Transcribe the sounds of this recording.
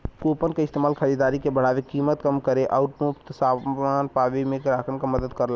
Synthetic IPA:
kopənkeɪst̪eːmaːlkʰəɾid̪aːɾikebəɽ̤aːʋekiːmət̪kəmkəɾeʔaʊʈmupt̪saːmaːnpaːʋemẽkɾaːkʰənkaməd̪əd̪kəɾla

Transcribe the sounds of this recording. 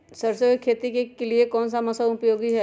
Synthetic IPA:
sɐɾsekʰeːt̪ikekeliekɔːnsamɐsaʊpjoːɡiɦɛ

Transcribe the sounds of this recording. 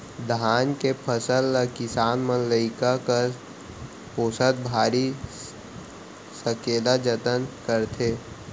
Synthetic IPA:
d̪ʱaːnkepʰəsəlːakɪsaːnmənləɪkaka | poːsət̪̚bʱaːɾi | səkeːd̪ad͡ʒət̪ənkəɾt̪ʰeː

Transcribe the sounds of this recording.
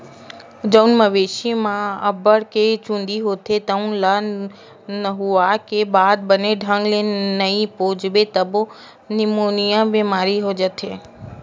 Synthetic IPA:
d͡ʒəwnməʋeʃimãəbəɽket͡ʃũnd̪iɦot̪ʰet̪əũlə | nəɦuakebad̪̚bəneɖʱə̃ŋɡlenəĩpod͡ʒbet̪əbo | nimonijãʋemaɾiɦod͡ʒət̪ʰe

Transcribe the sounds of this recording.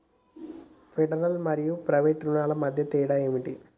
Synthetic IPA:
pʰeɖɐɾɐlmɐɾijupɾɐʋeːʈɾunaːlɐmɐd̪ʱjɐt̪iːɽaːjeːmiʈi

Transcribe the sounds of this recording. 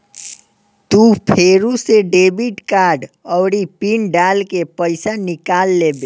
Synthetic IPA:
t̪upʰeɾuseɖebiʈkaɖəʊɾipinɖalkepəɪsanikalːebe

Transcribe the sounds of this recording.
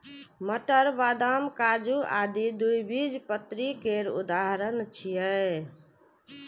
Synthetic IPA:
məʈəɾʋaːd̪amkad͡ʒua̰d̪id̪ujbid͡ʒpət̪ɾikeɾṵd̪aɦɾənt͡ʃʰijə

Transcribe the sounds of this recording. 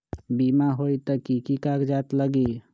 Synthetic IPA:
biːmaɦoːit̪əkikikaːkd͡ʒaːt̪ləɡi

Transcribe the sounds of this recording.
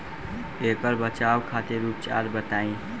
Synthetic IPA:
ekəɾbət͡ʃawkʰat̪eɾuːp̚t͡ʃa̰ɾbət̪aːĩ

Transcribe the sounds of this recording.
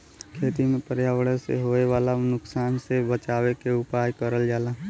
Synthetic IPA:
kʰeːt̪imẽpəɾjaːʋəɽəsḛɦoːeʋaːlanʊksaːnsebət͡ʃaːwekeʊpaːjkəɾəld͡ʒaːlaː

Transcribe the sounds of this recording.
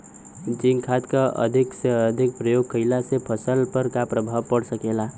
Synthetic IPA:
d͡ʒinkʰad̪kəʔʌ̰d̪ʱiksd̪ʱik̚pɾəjoɡkʰəjlasepʰʌsəlpəɾkapɾəbʱawpəɽsəkela

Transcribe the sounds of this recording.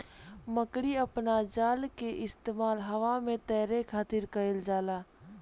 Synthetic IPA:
məkɽiəpnad͡ʒaːlkeʔɪst̪eːmaːlɦəʋamẽt̪ɛːɾekʰaːt̪iɾkəɪld͡ʒaːlaː

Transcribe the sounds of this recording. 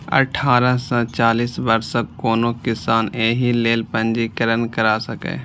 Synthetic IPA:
ə̰ʈʰaːɾəsə̃t͡ʃaːliːsbəɾsəkkoːnokɪsaːneːɦileːlpə̃nd͡ʒikəɾənkəɾaːsəkḛː

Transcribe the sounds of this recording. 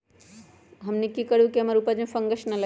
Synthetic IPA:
ɦɐmnikikəɽukiɐmɐɾupad͡ʒmẽfɐŋɡəʃnɐlɐ

